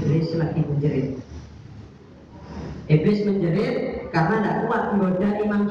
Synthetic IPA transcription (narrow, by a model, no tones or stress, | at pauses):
ɾɪslakiməɲd͡ʒəɾɪt̪̚ | ʔebɪsməɲd͡ʒəɾɪt̪̚karnandaʔkuwat̪̚məŋɡodaʔimaŋt͡ʃ